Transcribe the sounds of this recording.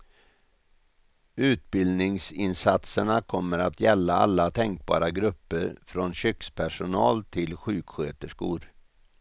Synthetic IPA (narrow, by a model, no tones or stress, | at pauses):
ʉ̟ːt̪̚bɪld̪nɪŋsɪnsat̪səɳakʰɔmːəɾat̪jɛlːaa̰lːat̪ʰɛŋk̚bɑ̰ːɾaɡɾɵpːəɾfɾonɕʏkspʰæʂʊnɑːlt̪ʰɪlɧʉ̟ːkɧøːt̪əʂkṵːɾ